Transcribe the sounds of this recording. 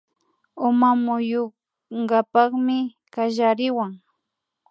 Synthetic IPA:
ʊmamʊjo | ŋɢɑpɑχmɪ | kaʒaɾɪwaŋ

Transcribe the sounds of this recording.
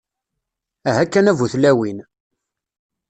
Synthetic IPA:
æɦækːænævuθlæwin

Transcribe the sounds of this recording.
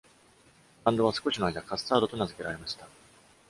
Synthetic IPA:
bãnd̪o̞βasɨ̥ko̞ɕino̞aid̪akasɨ̥saːd̪o̞t̪onazɨke̞ɾaɾe̞maɕi̥t̪a

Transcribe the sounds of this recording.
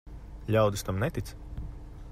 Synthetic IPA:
lʲawd̪ɨst̪amnɛt̪it̪s

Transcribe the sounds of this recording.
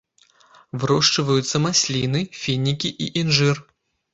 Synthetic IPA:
vɨɾɔʂt͡ʂɐvɐjut̪sːɐmasʲlʲinɨfʲinʲːikʲiʔiʔinʐɨr

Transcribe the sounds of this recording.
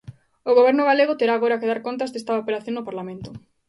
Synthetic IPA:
ʊɣoβ̞ɛɾnʊɣ̞aleɣʊt̪eɾaːɣoɾakeðaɾkont̪̬azðest̪aopeɾaθjoŋnʊpaɾlamẽnt̪ʊ

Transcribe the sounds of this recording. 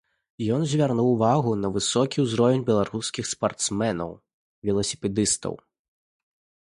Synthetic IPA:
jɔnzʲvʲarnuwvaɣunɐvɨsɔkʲiwzɾɔvʲɛnʲbʲɛlˠaɾuskʲixspart̪smɛnɐ̰w | vʲɛlˠɐsʲi̥pʲɛd̪ɨst̪ɐ̰w

